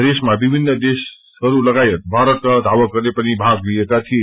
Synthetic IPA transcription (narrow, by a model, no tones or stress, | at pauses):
d̪esmabibʱinːʌd̪es | hʌɾulʌɡajet̪̚bʱaɾʌt̪kʌd̪ʱawʌɡʌrnepʌnibʱaɡliekat̪ʰie